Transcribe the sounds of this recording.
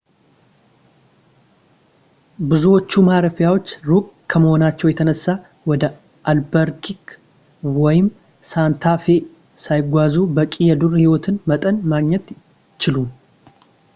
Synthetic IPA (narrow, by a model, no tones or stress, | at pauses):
bɨzuwot͡ʃːumaɾəfjawo̞t͡ʃːɾukʼkʰːəməho̞nat͡ʃːɛwjɛt̪ʰənəsːa | wɔd̪ə | ʔalbəɾkʰik | wɔjɪm | sant̪ʰafe̞ | sajɪɡʷazubəkʼijɛd̪urhiwɔt̪ʰɨnmət̪ʼənmaɡɲɛt̪ | t͡ʃːɪlum